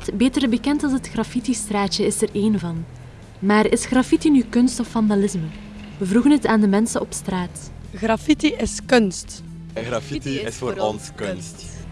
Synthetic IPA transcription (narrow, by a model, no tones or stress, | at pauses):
tbeːtərbəkɛntɑlˠsɦətxrɑfitistraːt͡ʃəɪsəreːnvɑn | maːrɪsxrɑfitinykɵnstɔfːɑndalɪzmə | ʋəvruɣənɦətaːndəmɛnsəʔɔpstraːt | ɣrafitiɪskɵnst | ɣrafitiɪsfoːɾɔnskɵnst